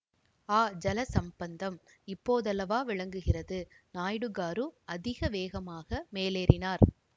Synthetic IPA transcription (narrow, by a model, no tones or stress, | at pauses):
aːd͡ʒɐlɐsɐmbɐnd̪ɐm | ɪpːoːðɐlɐʋaːʋɪɭɐŋɡɯɣɪrɐðɯ | naːjɽɯɣaːɾɯɐðɪɣɐʋeːɣɐmaːɣɐmeːleːɾʔɪnaːɾ